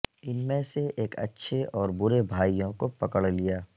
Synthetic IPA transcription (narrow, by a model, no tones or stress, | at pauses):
ɪnmẽseʔeːkɐ̰tːʃʰeʔɔːɾbʊɾebʱaːijõkopɐkəɽlijaː